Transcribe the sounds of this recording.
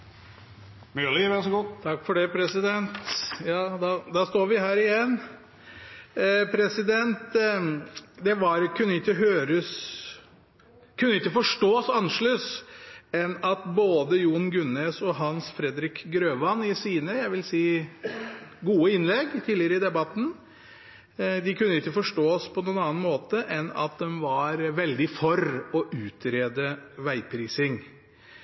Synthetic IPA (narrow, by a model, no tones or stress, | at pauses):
mylɪʋɛnsɔɡut̪ʰɑkːfɔɖɛpʰɾɛsɪd̪ɛnt̪jɑːd̪ɑd̪ɑst̪oːɾʋɪɦæːɾɪjɛnː | pʰɾɛsɪd̪ɛnt̪ | d̪ɛʋɑɾkʰʉnːəɪkːəɦøːɾəs | kʰʉnːəɪkːəfɔʂʈoːsɑnʂɭøs | ɛnɑt̪boːd̪əjuːɳɡʉnesɔɦɑnsfɾɛd̪ɾɪkɡɾøːʋɑnɪsiːnəjæɪʋɪlsiː | ɡuːəɪnlɛɡt̪ʰiːlɪəɾəɪd̪ɛbɑt̪ːn̩ | d̪ɪkʉnːəɪkːəfɔʂʈoːspʰɔnuːnɑːnmoːt̪əʔɛnɑ̰t̪̚d̪ɛmʋɑɾʋɛld̪ɪfɔɾɔʔʉːt̪ʰɾeːd̪əʋæɪpʰɾiːsɪŋ